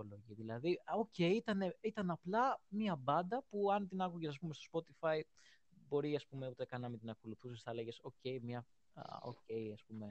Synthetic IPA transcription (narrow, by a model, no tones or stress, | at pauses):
oloʝiðilɐðio̞ce̞iit̪ɐne̞it̪ɐnɐplɐmiɐbɐnd̪ɐpuɐnt̪inɐkuʝesɐs̬pume̞st̪o̞spo̞t̪ifɐi | bo̞ɾiɐspumeut̪ekɐnɐmit̪inɐko̞luθusesθɐleʝe̞so̞ce̞imɲɐ̰ | o̰ce̞iɐspume̞